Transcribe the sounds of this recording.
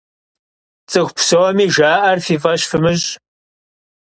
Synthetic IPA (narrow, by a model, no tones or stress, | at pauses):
t͡sʼɨxʷpʰsɐwɔmiːʒaːʔɐrfiːfʼɐɕfɨmɨɕʼ